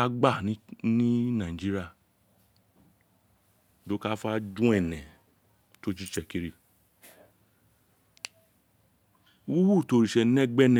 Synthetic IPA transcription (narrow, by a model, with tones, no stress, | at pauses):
a˦ɡ͡ba˦˨˦nĩ˦nã˨ĩ˨d͡ʒi˦ɾi˦a˦˨ | do˨˦ka˦fa˦d͡ʒũ˦ɛ˦˨nɛ̃˨ | to˦t͡ʃi˦t͡ʃɛ˧˨ki˧ɾi˧˨ | wu˦wu˦˨to˨˦ɾi˨ʃɛ˧˦nɛ̃˦ɡ͡bɛ˦nɛ̃˨